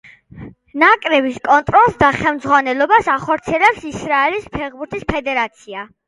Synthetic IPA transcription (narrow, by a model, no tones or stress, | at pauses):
nakʼɾɛbiskʼɔnt̪ʼɾɔlˠsd̪aχɛlmd̪zʁwanɛlˠɔbasaχɔɾt̪sʰiɛlɛpsisɾaɛlispʰɛʁbuɾt̪ʰispʰɛd̪ɛɾat̪sʰia